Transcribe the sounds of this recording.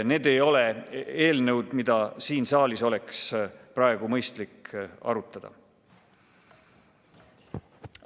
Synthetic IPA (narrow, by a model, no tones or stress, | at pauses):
ne̞ːd̪̥e̞jo̞le̞e̞ːlnɤwd̪̥mid̪̥ɑsiːnsɑːliso̞le̞ksprɑeɡ̥umɤjst̪likɑ̰ɾut̪ːˑɑd̪̥ɑ̰